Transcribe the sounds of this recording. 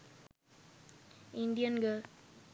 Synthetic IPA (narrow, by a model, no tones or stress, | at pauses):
ɪnd̪ɪjɐnɡɐ